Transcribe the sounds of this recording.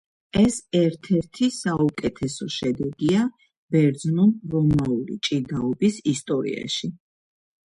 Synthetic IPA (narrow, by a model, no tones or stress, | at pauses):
ɛsɛɾt̪ʰɛɾt̪ʰisaukʼɛt̪ʰɛsɔʃɛd̪ɛɡia | b̥ɛɾd̪znunɾɔmaulḭt͡ʃʼid̪aɔbisist̪ʼɔɾḭa̰ʃi